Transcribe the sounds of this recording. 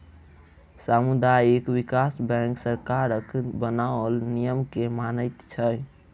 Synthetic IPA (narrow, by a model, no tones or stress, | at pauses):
samud̪ajekwikasbɛ̃ksəɾkaɾəkbənaəlnijəmkemanəjt̪t͡ʃʰəj